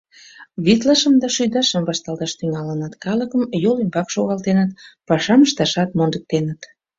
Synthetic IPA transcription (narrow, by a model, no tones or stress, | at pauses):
βit̪lɑʃəmd̪ɑʃyjd̪ɑʃəmbɑʃt̪ɑlˠt̪ɑʃt̪yŋɑlənɑt̪kɑləkəmjolembɑkʃoɣɑlt̪enət̪̚pɑʃɑməʃt̪ɑʃɑt̪mond̪ək̚t̪enət̪